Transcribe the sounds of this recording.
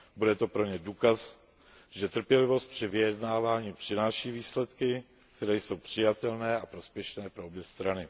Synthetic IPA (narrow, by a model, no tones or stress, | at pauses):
budɛt̪o̞pɾo̞ɲɛduːkas | ʒɛt̪r̩pjɛlɪvo̞st̪̚pr̝̥ɪvɪjɛdnaːvaːɲiːpr̥ɪnaːʃiːviːslɛt̪kɪ | k̚t̪ɛɾɛːjso̞wpr̝̥ɪjat̪ɛlnɛːapɾo̞spjɛʃnɛːpɾoʔobjɛst̪ɾanɪ